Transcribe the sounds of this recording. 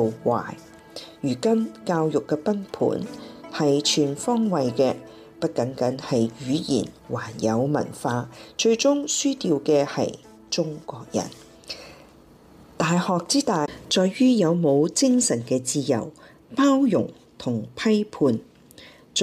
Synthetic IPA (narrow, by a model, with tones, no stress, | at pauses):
wa̰ː˨˩j | jyː˨˩kɐ˥nkaː˧wjʊ˨kːɛː˧pɐ˥npʰṵː˨˥nhɐ˨jt͡ʃʰyː˨˩nfɔː˥ŋwɐ˨jkɛː˧ | pɐ˥t̚kɐ˨˥ŋkɐ˨˥ŋhɐ˨jɥyː˨˧jḭː˨˩n | waː˨˩njɐ˨˧wmɐ̰˨˩nfaː˧t͡ʃɵ˧ɥt͡sʊ˥ŋsyː˥t̪iː˧wkɛː˧hɐ̰˨j | t͡ʃʊ˥ŋkʷɔː˧k̚jɐ̰˨˩n | t̪aː˨jhɔː˨k̚t͡siː˥t̪aː˨t͡ʃɔː˨jɥyː˥jɐ˨˧wmo˨˧wt͡sɪ˥ŋsɐ˨˩nkɛː˧t͡siː˧jɐ̰˨˩w | paː˥wjʊ̰˨˩ŋ | t̪ʰʊ˨˩ŋpʰɐ˥jpʰuː˧n